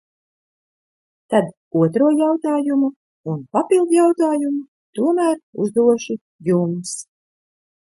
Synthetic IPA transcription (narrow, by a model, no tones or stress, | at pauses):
t̪ad̪ | uɔt̪ɾuɔjawt̪aːjumu | unpapilˠd̪jawt̪aːjumu | t̪uɔmæːɾṵzd̪uɔʃi | jums